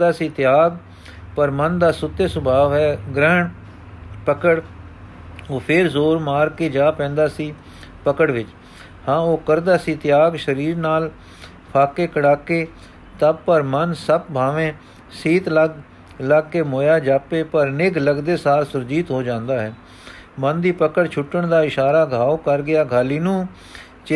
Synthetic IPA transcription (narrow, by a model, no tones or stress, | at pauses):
d̪aːsiːt̪ɪjaːɡ | pəɾmənd̪aːsʊt̪ːeːsʊbʱaːʋɦɛːɡɾɛːɳ | pəkəɽ | oːpʰɪɾzoːɾmaːɾkeːd͡ʒaːpɛ̃ːnd̪aːsiː | pəkəɽʋɪt͡ʃ | hãːoːkəɾd̪aːsiːt̪ɪjaːɡʃəɾiːɾnaːl | pʰaːkeːkəɽaːkeː | t̪əb̚pəɾmənsəb̚bʱaːʋẽː | siːt̪ləɡ | ləɡkeːmoːjaːd͡ʒaːpeːpəɾnɪɡləɡd̪eːsaːɾsʊɾd͡ʒiːt̪ɦoːd͡ʒãːnd̪aːɦɛː | mənd̪iːpəkəɽt͡ʃʰʊʈːəɳd̪aːɪʃaːɾaːɡʱaːoːkəɾɡɪaːɡʱaːliːnũː | t͡ʃ